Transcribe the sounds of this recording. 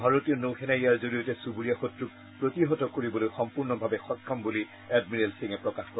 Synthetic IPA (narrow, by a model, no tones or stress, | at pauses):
bʱaɹotijɔnowxɛnaiaɹzoɹijɔtɛsubuɹijaxotɹuk̚ | pɹotiɦɔtɔkoɹibɔlojxɔmpuɹnɔbʱabɛxɔkʰːɔmbuli | ɛd̚miɹelsiŋɛpɹɔkaxkɔ